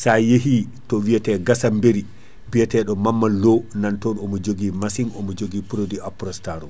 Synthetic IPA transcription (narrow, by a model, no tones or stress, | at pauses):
sajeɦi | tɔwijatɛɡasambeɾi | bijatɛɗɔmamːalɔnantɔnɔmɔd͡ʒoɡimasiŋɔmɔd͡ʒoɡipuɾodiapɾɔstaɾɔ